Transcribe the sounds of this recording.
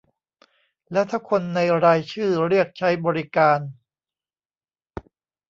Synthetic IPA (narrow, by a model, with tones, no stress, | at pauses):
lɛ˦˥t̪ʰa˦˥kʰo˧nːa˧jɾaː˧jt͡ɕʰɯː˥˩ɾi˥˩ək̚t͡ɕʰa˦˥jbɔː˧ɾi˦˥kaː˧n